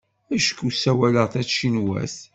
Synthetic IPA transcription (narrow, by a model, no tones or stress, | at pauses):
æʃə̥kːusæwæləʁθæt͡sːʃinwæ̰θ